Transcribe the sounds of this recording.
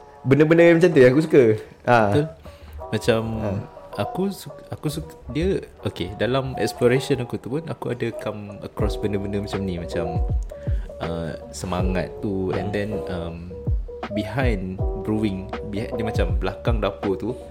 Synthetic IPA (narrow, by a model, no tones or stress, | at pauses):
bəndəbəndəamat͡ʃamt̪uãakus̬ukə | ʔãumat͡ʃamakusukʔakusukdiəʔokedalamɛ̰ksploɾeʃənakut̪upunakuadəkamə̰kɾɔsbəndəbəndəmat͡ʃamnimat͡ʃam | ə̰ | səmaŋa̰t̪ːuɛ̰̃ndɛ̃nəm | biɦãjnbɾuɪŋbianimat͡ʃamblakaŋdapot̪u